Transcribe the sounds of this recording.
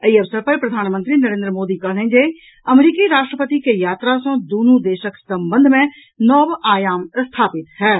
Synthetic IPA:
iɐʋsəɾpɐɾpɾɐd̪ʱaːnmə̃nt̪ɾinəɾẽːnd̪ɾəmoːd̪ikɐɦlẽd͡ʒe | ɐmɾiːkiɾaːʃʈɾəpət̪ikejaːt̪ɾasõd̪uːnud̪eːʃəksɐ̃mbə̃nd̪ʱmẽ | nɔːʋaːjaːmst̪ʰaːpɪt̪ɦɛː

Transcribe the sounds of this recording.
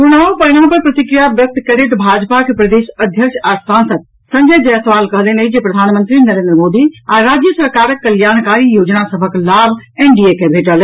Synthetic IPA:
kunaõpəñə̃pəɾpɾɐt̪ikɾijabjək̚t̪kɐɾet̪bʱad͡ʒpakepɾəd̪eːʃəd̪ʱjəkʃʰasãnsəd̪̚ | sə̃ɲd͡ʒəjd͡ʒəjsəʋaːlkəɦlenəid͡ʒepɾɐd̪ʱaːnmə̃nt̪ɾinɐɾeːnd̪ɾəmoːd̪iaɾaːd͡ʒjəsəɾkaːɾəkːəljaːñkaɾijoːd͡ʒnasəbʱəklabʱeɳɖiekebʱeːʈəl

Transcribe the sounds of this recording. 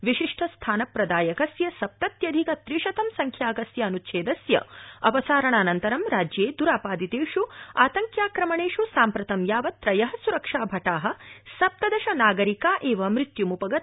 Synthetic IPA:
ʋiʃiʂʈʰɐst̪ʰaːnɐpɾɐd̪aːjɐkɐsjɐsɐp̚t̪ɐt̪jɐd̪ʱikɐt̪ɾiʂɐt̪ɐmsɐŋkʰjaːɡɐsjɐɐnut̪ːʃʰeːd̪ɐsjɐ̰ɐpɐsaːɾɐɳaːnɐnt̪ɐɾɐmɾaːd͡ʒjeːd̪uɾaːpaːd̪it̪eːʂuaːt̪ɐŋkjaːkɾɐmɐɳeːʂusaːmpɾɐt̪ɐmjaːʋɐt̪ɾɐjɐɦɐsuɾɐkʂaːbʱɐʈaːɦɐ̆sɐp̚t̪ɐd̪ɐʃɐnaːɡɐɾikaːʔeːʋɐmɾit̪jumupɐɡɐ

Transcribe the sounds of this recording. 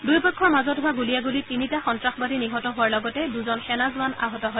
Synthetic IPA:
dujpɔkʰːɔɹmazɔtɦʊaɡulijaɡulitinitaxɔntɹaxbadiniɦɔtɔɦʊaɹlɔɡɔtɛduzɔnxɛnazʊana̰ɦɔtɔɦɔj

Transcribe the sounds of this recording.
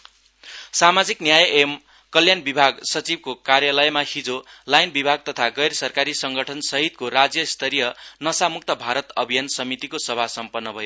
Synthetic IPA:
samad͡ziknjajʔem | kʌljanbibʱaɡsʌt͡sib̚kokarjalʌjmahid͡zolajnbibʱaɡ̚t̪ʌt̪ʰaɡʌjrsʌrkaɾisʌŋɡʌʈʰʌnsʌɦit̪̚koɾad͡zjʌst̪ʰʌɾijʌnʌsamuk̚t̪ʌbʱaɾʌt̪ʌbʱijansʌmit̪ikosʌbʱasʌmpʌnːʌbʱʌjo

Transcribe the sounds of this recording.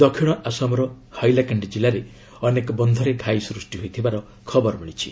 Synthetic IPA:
d̪ɔkʰiɽ̃ɔʔasɔmɔɾɔ | hajlakaɳɖid͡ʒilaɾe | ɔnekɔbɔnd̪ʱɔɾeɡʱajsɾusʈiɦojt̪ʰibaɾɔ | kʰɔbɔɾɔmiɭ̃it͡ʃʰḭ

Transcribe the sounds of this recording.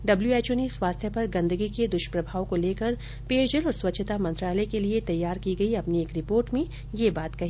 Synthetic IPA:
ɖɐbljueːt͡ʃoːneswaːst̪ʰjəpɐɾɡɐ̃nd̪əɡiked̪ʊʃpɾɐbʱaːwkoleːkəɾ | peːʃd͡ʒəlɔːɾswɐtːʃʰət̪amɐ̃nt̪ɾaːləekeliet̪ɐjːaːɾkiɡɐiɐpnieːkɾɪpoːɾʈmẽ | jebaːt̪kɐɦiː

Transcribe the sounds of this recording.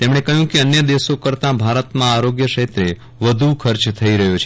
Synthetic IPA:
t̪emɽ̃ekəɦjũkeənjəd̪esokəɾt̪ãbʱaɾət̪mãaɾoɡjəʃet̪ɾe | ʋəd̪ʱukʰəɾt͡ʃt̪ʰəiɾəɦjot͡ʃʰ

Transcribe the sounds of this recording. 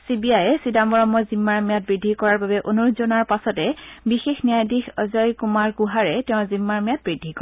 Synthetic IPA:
sibiajɛsidamɔɹɔmːɔzimːaɹmijat̚bɹidʱːikɔɹaɹbabɛʔonuɹʊtzonaɹpasɔtɛbixexnijajdixɔzɔjkumaɹkuɦaɹɛtɛʊ̃zimːaɹmijat̚bɹidʱːikɔɹ

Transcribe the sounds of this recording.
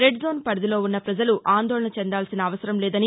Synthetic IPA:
ɾeɖzoːnpɐɾd̪ilo̞ːunːɐpɾɐd͡ʒɐluʔaːnd̪oːɭɐɳɐt͡ʃɛnd̪aːlsinɐːʋɐsɐɾɐmlɛːd̪ɐni

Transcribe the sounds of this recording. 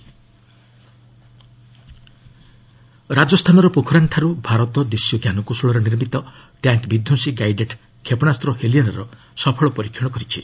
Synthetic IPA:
ɾad͡ʒɔst̪ʰanɔɾɔpukʰɾaɳʈʰaɾubʱaɾɔt̪ɔd̪isjɔɡjanɔkusuɭɔɾɔniɾmit̪ɔ | ʈjaŋkbid̪ʱːjusiɡajɖeʈ | kʰepɔnast̪ɾɔheliɔnɔɾɔ | sɔpʰɔɭɔpɔɾikʰːɔɽɔkɔɾit͡ʃʰi

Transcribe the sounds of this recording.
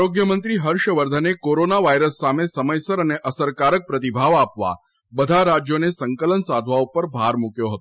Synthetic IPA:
ɾoɡjəmənt̪ɾiɦəɾʃəʋəɾd̪ʱənekoɾonaʋajɾəsːamesəməjsəɾəneʔəsəɾkaɾək̚pɾət̪ibʱaʋapʋa̰ | bəd̪ʱaɾad͡ʒjonesəŋkələnsad̪ʱʋaupəɾbʱaɾmukjoɦət̪o

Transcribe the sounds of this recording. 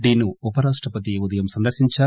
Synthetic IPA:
d̪iːnːuupɐɾaːʂʈɾɐpɐt̪̬iud̪ɐjɐmsɐnd̪ɐɾʃiɲt͡ʃaː

